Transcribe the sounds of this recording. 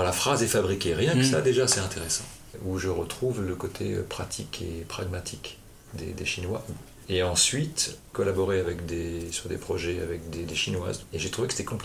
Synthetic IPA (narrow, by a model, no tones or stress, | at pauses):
ʁlafχazɛfabʁikʲeʁjɛ̃kəsa̰d̪eʒasɛɛ̃t̪ʰeʁesɑ̰̃ | uʒəʁət̪χuvləkot̪ʰḛø̰pχat̪ʰikʰḛpχaɡmat̪ʰik | d̪ḛd̪eʃinwa̰ | eɑ̃sɥit̪kɔlabɔʁeavɛkd̪esyʁd̪ḛpχɔʒɛa̰vɛkd̪ed̪eʃinwa̰zeʒet̪χuvekəse̥t̪ɛkɔ̃pi